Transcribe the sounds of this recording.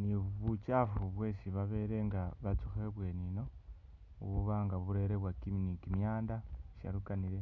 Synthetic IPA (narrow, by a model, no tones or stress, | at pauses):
niβut͡ʃafuβwe̞ːʃiβaβe̞ɾe̞ŋɡaβat͡suxeβwe̞nino̞ | ṵβuβaːŋɡaβuɾe̞ːɾeβwakiminikimjaːndaʃa̰ɾukaniɾe